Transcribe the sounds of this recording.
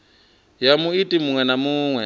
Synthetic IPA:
jamuitʼimuŋwɛnamuːŋwɛ

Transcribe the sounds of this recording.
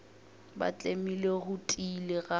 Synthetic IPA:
ba̰t͡ɬʼemileɣʊtʼilɪɣa

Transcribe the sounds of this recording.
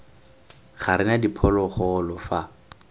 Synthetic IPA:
χaɾɪnadipʰɔlɔχɔlɔfa

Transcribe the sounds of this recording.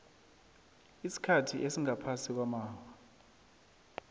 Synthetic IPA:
isi̥kʰatʰiʔesiŋapʰasik̬wamaːwa

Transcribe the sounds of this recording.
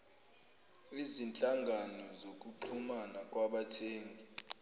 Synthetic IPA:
izint͡ɬʼaŋɡʱanɔzok̬ʼuǃʰumanakʼwaɓatʰeːŋɡʱi

